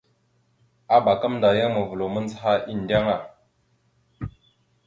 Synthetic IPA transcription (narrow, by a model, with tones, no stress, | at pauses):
a˦ɓa˨ka˦mnda˨ja˦mə˨və˨lo˨mə˦n˦t͡sha˦ʔi˦˨n˨dʲa˦ŋa˨